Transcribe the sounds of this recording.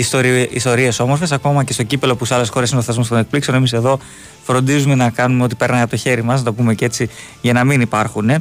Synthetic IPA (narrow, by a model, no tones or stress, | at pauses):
ist̪oɾiist̪o̞ɾie̞so̞mo̞ɾfesɐko̞mɐcest̪o̞cipe̞lo̞puseɐle̞sxo̞ɾesineoθezmo̞st̪one̞k̚plikse̞o̞ne̞mise̞ðo̞ | fɾo̞nd̪izume̞nɐkɐnumeo̞t̪ipe̞ɾnɐnɣɐpt̪o̞çe̞ɾimɐsnɐt̪o̞pume̞ce̞t͡si | ʝɐnɐminipɐɾxune̞